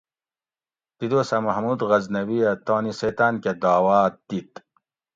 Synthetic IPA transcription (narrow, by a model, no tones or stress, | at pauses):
t̪id̪oːsɐmɐhmuːd̪ɣɐznɐwiɐt̪oːniseːt̪aːnked̪aːwaːt̪̚d̪it̪